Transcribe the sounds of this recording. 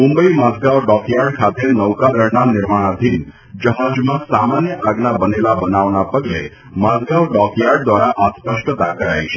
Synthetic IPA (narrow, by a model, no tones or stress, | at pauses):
mũmbəimazɡaʋɖɔkjaɾɖkʰat̪ʰenəʋkaɡəɾnanɪɾmaɽ̃ad̪ʱin | d͡ʒəɦad͡ʒmãsamanjəʔaɡnabənelabənaʋnapəɡle | mazɡaʋɖɔkijaɖ̚d̪ʋaɾaʔaspəʃʈət̪akəɾa̰jt͡ʃʰe